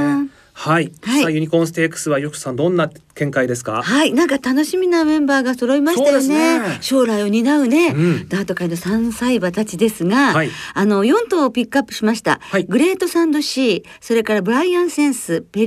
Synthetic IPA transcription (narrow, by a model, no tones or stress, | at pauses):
haihaiajɯ̟ɲ̟ikõɰ̃sɨ̥t̪eːkɯ̥sɨβajokɯ̟̥sãnd̪õ̞nːakẽ̞ŋkaid̪e̞sɨ̥ka̰hainãŋkat̪ano̞ɕimʲinamẽ̞mbaːɡaso̞ɾo̞imaɕt̪ajone̞ɕo̞ːɾaio̞ɲ̟inaɯ̟ne̞d̪̥aːt̪o̞kaino̞sãɰ̃saibat̪at͡ɕid̪e̞sɨɡaaiːno̞jõ̞nt̪o̞ːpʲikːɯapːɯ̟̥ɕimaɕi̥t̪a̰ɡɯ̟ɾe̞ːt̪o̞sãnd̪o̞ɕiː | so̞ɾe̞kaɾabɯ̟ɾaiãɰ̃sẽ̞ɰ̃sɨpe